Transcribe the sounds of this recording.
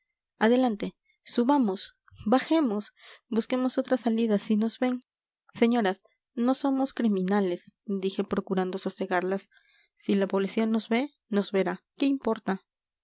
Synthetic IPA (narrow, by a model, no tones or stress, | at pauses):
aðe̞lant̪e̞ | suβamo̞s | baxe̞mo̞sbuske̞mo̞so̞t̪ɾasaliðasino̞zβe̞n | se̞ɲo̞ɾas | no̞so̞mo̞skɾimĩnale̞sd̪ixe̞pɾo̞kuɾand̪o̞so̞se̞ɣaɾlasː | ilapoβlisjo̞nːo̞zβe̞ | no̞zβe̞ɾake̞impo̞ɾt̪a